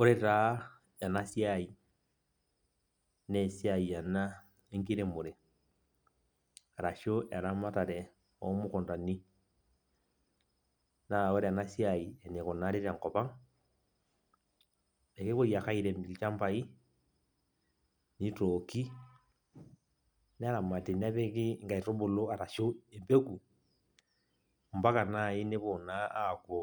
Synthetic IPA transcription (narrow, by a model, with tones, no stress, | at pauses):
o˦ɾe˦ɾa˦ | ɛ˨na˦si˦ai˨ | nɛ˨si˦a˨ia˨na˦ | e˦ŋki˦ɾe˦mo˨ɾɛ˨ | ɾa˨ʃo˦ʔɛ̰˨ɾa˦ma˦ta˨ɾɛ˨ | ɔ̰˦mu˦kɔ˨nda˨ni˦ | na˨ɔ˦ɾɛ˨a˨na˦sja˨i˨ɛ˨ne˨kɔ˨na˦ɾe˦ɾa˨ŋkɔ˨pa˦ŋ | ɛ˨ke˦βo˦ja˨ka˦i˨ɾɛ˨m˨t͡ʃa˦mba˨i˦ | ni˦toki˦ | n˦a˦ɾa˨ma˨te˨n˦a˦βɛ˦ki˦ŋɡa˨i˨to˦bo˨lo˦a˨ɾa˨ʃo˦ɛ˨mbe˦ku˨ | m˨ba˦ka˨na˦˨i˦ne˦βo˨na˦a˦˨ko˨